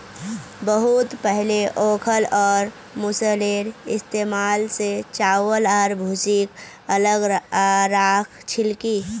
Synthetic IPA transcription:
bəɦut̪pəɦleʔoːkʰəlɔːɾ | mʊsəleɾɪst̪emaːlset͡ʃaːwələɾbʱut͡ʃik | ələɡɾakʰt͡ʃʰɪlki

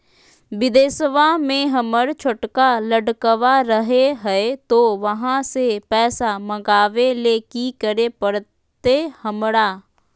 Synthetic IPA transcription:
ʋɪd̪eːsʋamẽɦəməɽt͡ʃʰʊʈkaləɖkəʋaɾəɦeɦɛet̪oʋəɦãsepɛːsaməɡaːʋeleːkikəɾepəɽ | t̪ehəmɽaː

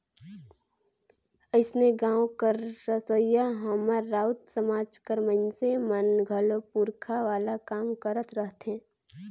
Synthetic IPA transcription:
əɪsneɡãːõkəɾːəsəjaɦəmaɾːaːʊt̪səmaːd͡ʒkəɾməɪnsemənɡʱəlopuɾkʰaʋaːlakaːmkəɾət̪ɾəɦt̪ɦɛ̃ː

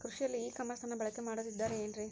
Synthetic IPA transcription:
kɾʊʂɪjɐliːkɐmɐst̪aːnɐbɐɭɐkːɐmaːɽɐðɪd̪ːaːɾendrĩ

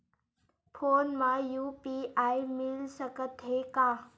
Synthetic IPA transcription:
pʰoːnmãjuːpiaːjmɪlsəkət̪ɦekaː

